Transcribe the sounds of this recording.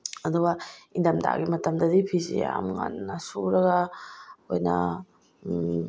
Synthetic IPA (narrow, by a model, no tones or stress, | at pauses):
ɐduɡɐindɐmda̰ɡimɐtɐmdɐdipʰizijamŋa̰nːɐsuɾɐɡɐ | ojnɐ̰